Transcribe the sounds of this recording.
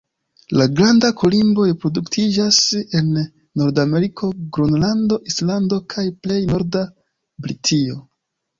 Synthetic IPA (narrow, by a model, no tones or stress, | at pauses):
laɡɾandakʰolimbo̞jpɾo̞duktʰid͡ʒase̞nː | o̞ɾdame̞ɾikʰo̞ɡɾonlando̞ʔislando̞kʰajple̞jno̞ɾda | bɾitʰio̞